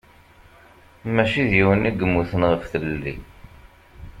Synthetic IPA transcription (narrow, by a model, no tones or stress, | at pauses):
mæʃiðjiwəniɡəmːuθənʁəfθəlːḭ